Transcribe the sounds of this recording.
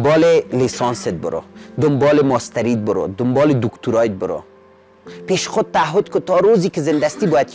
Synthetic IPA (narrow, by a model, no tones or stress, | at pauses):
bɔːlelisɔnset̪̚bʊ̰ɾo̰d̪ʊmbɔːlemɔst̪aɾit̪̚bʊɾo̰d̪ʊmbɔːled̪ukt̪uɾɔet̪̚bʊɾo̰ | peʃxʊd̪̚t̪aːɦʊd̪kʊt̪ɔɾozikezɪnd̪ast̪ibɔːjat̪̚